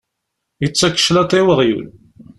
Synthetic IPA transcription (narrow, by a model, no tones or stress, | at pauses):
jət͡sːækːə̥ʃlæt̪ˤːewəʁjṵl